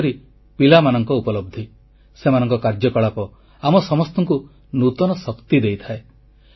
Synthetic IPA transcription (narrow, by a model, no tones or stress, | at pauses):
ɾi | pilamanɔŋkɔupɔlɔb̚d̪ʱi | semanɔŋkɔkaɾd͡ʒɔkɔɭapɔ | amɔsɔmɔst̪ɔŋku | nut̪ɔnɔsɔkt̪id̪ejt̪ʰae